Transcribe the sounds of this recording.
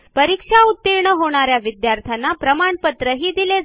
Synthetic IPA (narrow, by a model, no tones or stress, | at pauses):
pəɾikʂaut̪ːiɾɳəɦoɽ̃aɾjaʋid̪jaɾt̪ʰjanːapɾəmaɳpət̪ɾəɦiːd̪ile